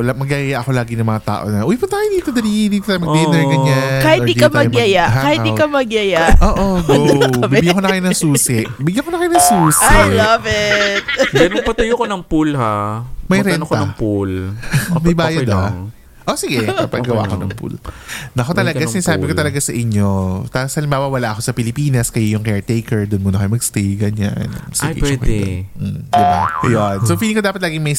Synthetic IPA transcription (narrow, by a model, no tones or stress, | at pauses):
lamɐɡaʔɪjaʔɐko̞laːɡɪnɐŋmɐŋat̪a̰ːʔo̞̰nɐʔuwipʊt̪aɐjɪd̪iːt̪od̪ɐɾihd̪iːt̪oajmɐɡd̪ɛnɛɡɐɲakahɪid̪kɐmɐɡjɐjaʔakaːhɪt̪ikɐmɐɡjɐjaʔoːʔoɡobɪiɪɡjaŋkonɐkɐjonɐŋsuːsɛʔbɪɡjɐnŋkonɐkɐjonɐŋsuːsaɪjlɐvɛt̪̚mɛɾopɐt̪ʊjokonɐŋpulhamɐjɾɛnɐpulmɐjbaːjɐd̪a | ʔosɪɡɛkɐpɐɡɐwa̰ʔkoɐ̰ŋpṵlnɐkot̪ɐlɐɡasɪnaːsaːbɪkot̪ɐlɐɡasɐʔɪɲːo̞t̪ɐsɐlɪmbaːbɐwɐlaʔɐko̞sɐpɪlɪpiːnɐskɐjojʊŋkɛɹt̪ejkɛɹd̪ʊnmonɐkɐjmɐɡst̪iɡɐɲa̰nɐ̰sjḭpːk̪ɛ̰ | d̪ɪba̰jonsofiliŋkod̪aːpɐt̪laːɡɪŋmɐj